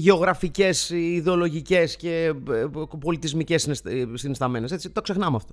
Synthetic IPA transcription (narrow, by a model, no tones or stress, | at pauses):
ʝeo̞ɣɾɐfice̞siðeo̞lo̞ʝice̞sce̞ | po̞lit̪izmice̞snssinist̪ɐme̞ne̞set͡sit̪o̞kse̞xnɐmeɐft̪o̞